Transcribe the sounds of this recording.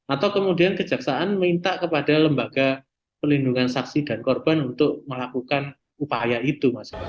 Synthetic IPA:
at̪awkəmudiankə̥d͡ʒa̤ksaʔanmint̪aʔkəpadaləmbaɡ̥a | pərlinduŋansaksida̤nkɔrb̥anunt̪ʊʔ̚məlakukan | upajait̪umasi̥

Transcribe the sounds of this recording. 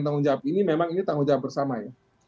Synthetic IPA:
nt̪̬aŋʊŋd͡ʒawap̚inimemaŋinit̪aŋʊŋd͡ʒawap̚bərsamaja

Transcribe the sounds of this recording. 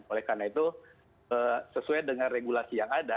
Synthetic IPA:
olɛhkarnait̪u | əsəsuajdəŋanreɡulasijaŋada

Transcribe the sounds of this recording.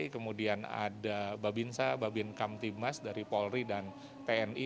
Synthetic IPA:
kəmudiana̰dababinsababɪnkamt̪imasdaɾipɔlridan | t̪eɛni

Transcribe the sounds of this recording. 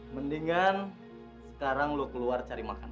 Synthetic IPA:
məndiŋan | sə̥kaɾaŋlokəluart͡ʃaɾimakan

